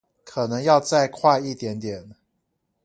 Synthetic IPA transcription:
kʰɤ˨˩nɤ˧˦ŋjɑ˥˧ʊt͡sa˥˧ɪkʰwa˥˧ɪi˥˩t̪jɛ˨˧˥nt̪jɛ˨˩˦n

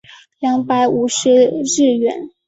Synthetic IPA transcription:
ljɑ˧˥ŋpa˧˥ɪu˧˩ʂɻ̩˧˥ɻɻ̩˥˩ɥɛ̰˧˥n

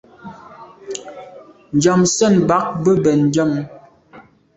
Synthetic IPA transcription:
n̩˨d͡ʒɔ˨msɛ˦˨nba˨˦k̚bə˦bɛ˨n̩˨d͡ʒɔ˦˨m˦

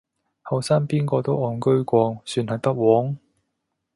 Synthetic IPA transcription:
hɐ˨wsaː˥ŋpiː˥nkɔː˧t̪o˥wɔː˧˩nkɵ˥ɥkʷɔː˧ŋsyː˧nhɐ˨jpɐ˥t̚wɔː˨˥ŋ

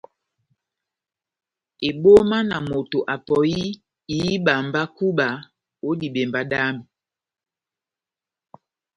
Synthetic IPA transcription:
e˨ɓo˦ma˦na˨mo˨to˨ʔa˨pɔ˨ji˦ | iː˨˦ɓa˨mba˦ku˦ɓa˨ | o˦di˨ɓe˨mba˨ɗa˦mi˨

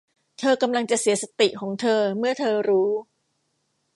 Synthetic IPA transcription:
t̪ʰɤː˧ka˧mla˧ŋt͡ɕa˨˩ʔsi˩˦ɐsa˧t̪i˨˩ʔkʰɔː˩˦ŋt̪ʰɤː˧mɯ˥˩ɐt̪ʰɤː˧ɾuː˦˥

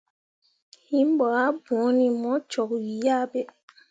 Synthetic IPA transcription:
hi˦m˦bɔ˨a˦bɔ̃˨˦ni˨mɔ˦t͡ʃɔ˨kwi˨ja˦bɛ˨

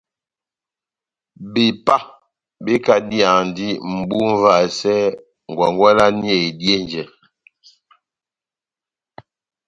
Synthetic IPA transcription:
be˨pa˦ | be˦ka˨di˦a˨ŋn˨di˦m̩˨bu˦ɱ̩˦va˨sɛ˦ | ŋ˨ɡwa˨ŋɡwa˦la˦ni˦ɛ˦˨i˨dje˦nd͡ʒɛ˨

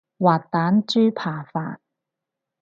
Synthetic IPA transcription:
waː˨˩t̚t̪aː˨˥nt͡ʃyː˥pʰaː˨˩fa̰ː˨t̚

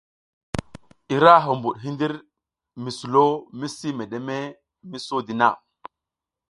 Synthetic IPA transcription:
i˨ɾa˦ɦo˨mbu˨ɗɦi˦ndi˦ɾ | mi˨su˨lo˦mi˦si˦me˨ɗe˨me˦ | mi˦so˦di˨na̰˦˨

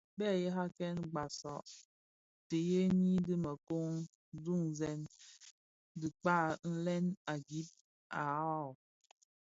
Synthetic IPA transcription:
bɛ˦˨jɛ˦ɦa˦kɛ˦nɡ͡ba˨sɔ̰˨ʔ | te˨je˦ni˦dɨ˦mə˨ko˦ŋ | du˦˨ŋzɛ˨n | dɨ˨k͡pa˦˨n̩˦lɛ˦na˨ɡi˦t̚ | ʔa˨˦˨

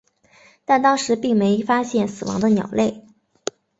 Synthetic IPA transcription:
t̪a˥˧nt̪ɑ˥ŋʂɻ̩˧˥pi˥˩ŋme˧˥ɪfa˥ɕjɛ˥˩nsɹ̩˨˩wɑ̰˧˥ŋd̪ə˧njɑ˨˩ʊle˥˩ɪ

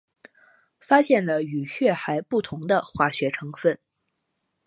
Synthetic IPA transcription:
fa˥ɕjɛ˥˩nlə˩y˨˩ɕɥɛ˥˩xa˧˥ɪpu˥˩t̪ʰʊ˧˥ŋd̪ə˧xwa˥˩ɕɥɛ˧˥ʈ͡ʂʰɤ˧˥ŋfə˥˩n

